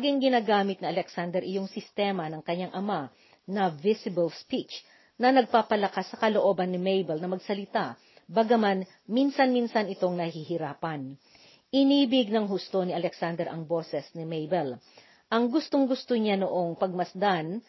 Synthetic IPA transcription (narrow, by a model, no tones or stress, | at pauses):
ɡɪŋɡɪnaːɡaːmɪt̪nɪɐlɛksand̪ɛɾʔɪjo̞ŋsɪst̪ɛːmɐnɐŋkɐɲːaŋʔɐma | nɐvɪsɪbɐlspit͡ʃ | nɐnɐɡ̚paːpɐlɐkasːɐkɐloʔo̞ːbɐnːɪmejbɛlnɐmɐɡsɐlɪt̪a | bɐɡɐman | minsɐnminsɐnɪt̪o̞ŋnɐhihɪɾaːpɐn | ɪniːbɪɡ̚nɐŋɦust̪o̞nɪʔɐlɛksand̪ɛɾʔɐ̰ŋbo̞ːsɛsnɪmejbɛl | ʔɐŋɡʊst̪oŋɡʊst̪oɲanoʔo̞ŋpɐɡ̚mɐsd̪an